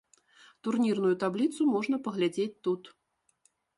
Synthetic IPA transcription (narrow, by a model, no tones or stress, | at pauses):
t̪urnʲirnujut̪ablʲit̪sumɔʐn̪ɐpɐɣlʲad͡zʲet͡sʲt̪ut̪